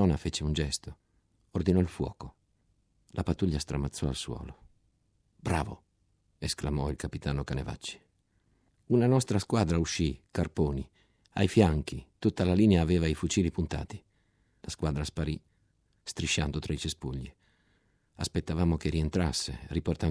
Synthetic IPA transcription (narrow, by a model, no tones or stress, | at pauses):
ɔnafeːt͡ʃeund͡ʒɛst̪o | ord̪inɔilfwɔ̰ːko | lʔapat̪ːuʎːast̪ɾamat̪sːɔalswɔ̰ːlo | bɾa̰ːvo̰ | esklamɔilkapit̪aːnokaneva̰t͡ʃːi̥ | unanɔst̪ɾaskwaːd̪ɾauʃːikarpoːni | a̰jfjaŋk̟it̪ut̪ːalaliːneaːveːvaifut͡ʃiːlipunt̪a̰ːt̪i̥ | laskwaːd̪ɾaspaɾi | st̪ɾiʃːand̪ot̪ɾait͡ʃespuʎːi | aspet̪ːavaːmok̟eɾient̪ɾasːeriport̪a